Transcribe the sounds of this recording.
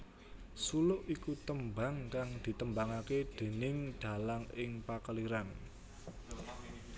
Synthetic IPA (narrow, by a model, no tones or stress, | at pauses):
sulʊʔikut̪əmbaŋkaŋd̪̥i̤t̪əmbaŋaked̪̥e̤nɪŋd̪̥a̤laŋɪŋpakəliɾan